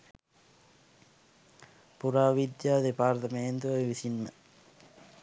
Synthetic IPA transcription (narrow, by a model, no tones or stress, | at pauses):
puɾaːʋid̪jaːd̪epaːɾt̪ɐmejend̪uoʋisinmə